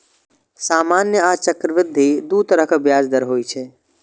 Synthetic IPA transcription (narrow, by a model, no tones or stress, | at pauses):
saːmaːnjəat͡ʃəkɾəʋɪd̪ʱːid̪ut̪əɾəɦkabjaːd͡ʒd̪əɾɦoːit͡ʃʰɛ